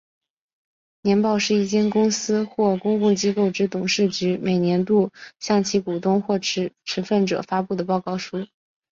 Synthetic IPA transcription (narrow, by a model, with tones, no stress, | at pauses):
njɛ˧˥npɑ˥˧ʊʂɻ̩˥˧i˥˩t͡ɕjɛ˥nkʊ˥ŋsɹ̩˥xwɔ˥˩kʊ˥ŋkʊ˥˩ŋt͡ɕi˥ko˥˩ʊʈ͡ʂɻ̩˥t̪ʊ˨˩ŋʂɻ̩˥˩t͡ɕy˧˥me˨˩ɪnjɛ˧˥nt̪u˥˧ɕjɑ˥˧ŋt͡ɕʰi˧˥ku˨˩t̪ʊ˥ŋxwɔ˥˩ʈ͡ʂ̩˧˥ʈ͡ʂʰɻ̩˧˥fə˥˩nʈ͡ʂɤ̰˨˩fa˥pu˥˩d̪ə˩pɑ˥˧ʊkɑ˥˩ʊʂu˥